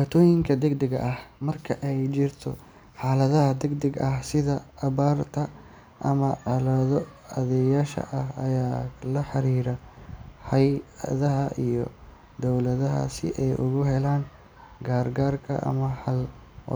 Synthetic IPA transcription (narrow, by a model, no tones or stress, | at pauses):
waːt̪ʰɔːjɪŋkʰɐd̪ɛɡd̪ɛɡɐ̰ʔɐhmɐrkʰɐʔɛjt͡ʃɪrt̪ʰɔ | ħaːlɐðɐhɐd̪ɛɡd̪ɛɡɐhsɪðɐɐβaːrt̪ʰɐ | ʔɐmɐʕɑlɐðɔɐðɛjaːʃɐ̰ʔɐhɐjaːlɐħɑɾiːɾɐhɐjðɐɦɐʔijɔ̰ | d̪ɔwlɐðɐɦɐ̰sɪ̰ʔɛjʔʊɣʊɦɛlaːn | ɡaːrɡaːrkʰɐ̰ʔɐ̰mɐħɐl̰